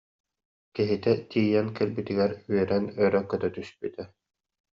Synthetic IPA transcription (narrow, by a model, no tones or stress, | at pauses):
kiɦit̪ɛt̪ʰiːjɛnkɛlbit̪iɡɛɾyœɾɛnœɾœkːɯt̪at̪yspyt̪ɛ